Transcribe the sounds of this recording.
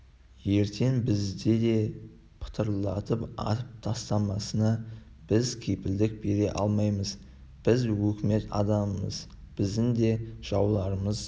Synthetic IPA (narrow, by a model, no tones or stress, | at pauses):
je̞ɾt̪ʰe̞nbɪzd̪e̞d̪e̞ | pʰə̥t̪ʰəɾlˠɑt̪əpɑ̰t̪əp̚t̪ʰɑst̪ɑmɑsənɑ | b̥ɪzkʲʰejpɪld̪ɪk̚be̞ɾe̞ʔɑlˠmɑjməz | b̥ɪzwɵkʲɪme̞t̪ɑ̰d̪ɑməmə̰z | b̥ɪzd̪ɪnd̪e̞ʒ̥ɑwlˠɑɾəməz